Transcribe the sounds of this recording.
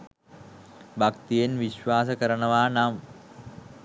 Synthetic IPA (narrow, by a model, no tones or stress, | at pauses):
bakt̪ijenʋiɕʋaːsəkəɾəɳəʋaːnam